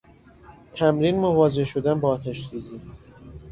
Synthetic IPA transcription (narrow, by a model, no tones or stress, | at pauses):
t̪ʰæmɾinmovɒːd͡ʒe̞hʃo̞d̪ænbɒːt̪ʰæʃsuːzi